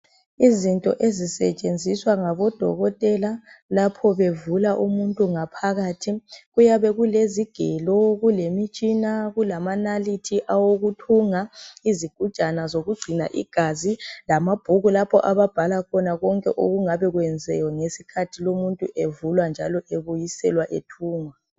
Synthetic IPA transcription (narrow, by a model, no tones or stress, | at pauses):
izintʼɔ̰ʔezisɛt͡ʃʼend͡zʱiswaŋaβɔd̥ʱɔ̰ɣɔtʼɛlalapʰɔβevulaʔumuntʼuŋapʰaɣaːtʰiɣujaβɛɣuleziɡ̥ʱɛlɔɣulemit͡ʃʼinaɣulamanalitʰiʔawoɣutʰuŋaiziɡ̥ʱu̥t͡ʃʼanazoɣuɡ͡ǀʱina̰ʔḭɡ̥ʱazilamab̥ʱuɣulapʰɔ̰ʔaβab̥ʱalakʰɔnaɣɔŋkʼɛ̰ʔo̰ɣuŋaβɛɣwɛnd͡zʱɛ̰jɔŋesi̥kʰatʰilomuntʼṵʔevulwand͡ʒʱalɔʔeβujisɛ̰lwaʔetʰuːŋwa